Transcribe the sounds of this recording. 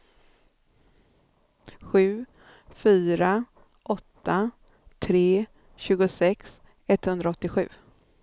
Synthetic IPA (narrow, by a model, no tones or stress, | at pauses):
ɧʉ̟ː | fyːɾa | ʔɔt̪ːa | t̪ʰɾeː | ɕʉ̟ːɡʊsɛks | ɛt̪ːhɵnd̪ɾaɔt̪ːɪɧʉ̟̰ː